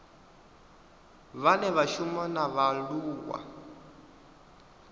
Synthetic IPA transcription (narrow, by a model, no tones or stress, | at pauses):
βanɛβaʃumɔnaβaluːwa̰